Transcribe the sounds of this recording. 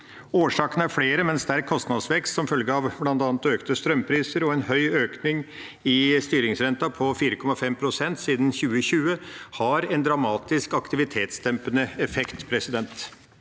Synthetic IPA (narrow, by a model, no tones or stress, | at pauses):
oːʂɑːkənəæɾfɽeːɾəmɛnsd̪ɛæɾkʰɔst̪nɑd̪sʋɛkst̪sɔmfœlɡəɑʋblɑnd̪ɑːnət̪øːkt̪əst̪ɾœmpʰɾiːsəɾɔɛnhœʏøːknɪŋ | ɪst̪yːɾɪŋsɾɛnt̪ɑpʰɔfiːɾəkʰɔmɑfɛmpʰɾʊsɛnt̪siːd̪n̩çʉːəçʉːəhɑɾɛnd̪ɾɑmɑːt̪ɪskɑkt̪ɪʋɪt̪ʰeːt̪sd̪ɛmpənəɛfɛkt̪pʰɾɛsɪd̪ɛnt̪